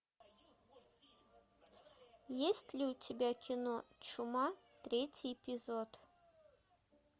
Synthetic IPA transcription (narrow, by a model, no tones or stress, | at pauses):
jesʲt̪ʲlʲiutʲʰebʲækʲʰinot͡ʃumɑt̪ɾʲetʲijpʲizot̪